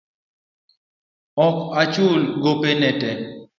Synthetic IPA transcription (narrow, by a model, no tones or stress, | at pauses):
ɔkat͡ʃulɡopenɛtɛ